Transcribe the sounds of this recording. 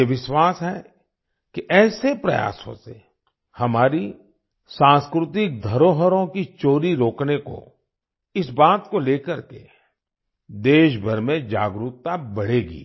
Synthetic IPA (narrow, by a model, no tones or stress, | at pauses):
eʋɪʃwaːsɦɛ | kiʔɛːsepɾɐ̰ja̰ːsõ̰se | hɐmaːɾi | sãːnskɾʊt̪ɪk̚d̪ʱɐɾoːɦəɾõkit͡ʃoːɾiɾoːkneko̰ | ɪsbaːt̪koleːkəɾke | d̪eːʃbʱəɾmẽd͡ʒa̰ːɡɾuːt̪ːabɐɽ̤eːɡḭː